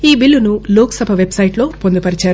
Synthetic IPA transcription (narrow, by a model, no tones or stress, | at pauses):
iːbilːunuloːksɐbʱɐʋe̞bsɐjiʈlo̞ːpo̞nd̪upɐɾit͡ʃaːɾu